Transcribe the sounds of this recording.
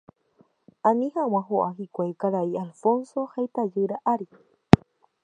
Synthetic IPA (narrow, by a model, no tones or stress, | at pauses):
aniɦawãɦoʔaɦikʷakaɾaialfonsohajt̪ajɨɾaʔaɾi